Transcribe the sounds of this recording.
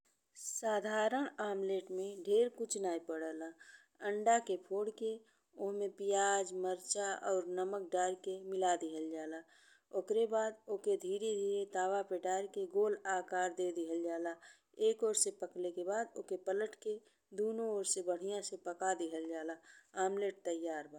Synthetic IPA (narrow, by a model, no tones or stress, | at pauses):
saːd̪ʱaːɾəɽ̃aːmleːʈmẽɖʱeːɾkut͡ʃʰnaːipəɽəla | əɳɖakepʰoːɽke | ʊɦmẽpɪjaːd͡ʒməɾt͡ʃaɔːɾnəmək̚ɖaːɾkemɪlad̪ɪɦəld͡ʒaːla | okɾebaːd̪oːked̪ʱiːɾed̪ʱiːɾet̪aːʋapeːʈaːɾkeɡoːlaːkaːɾd̪ed̪ɪɦəld͡ʒaːla | eːkoːɾsepəklekebaːd̪okepələʈke | d̪oːnooːɾsebəɽ̤ijãsepəkad̪iɦəld͡ʒaːlaaːmleːʈ̚t̪əjaːɾbə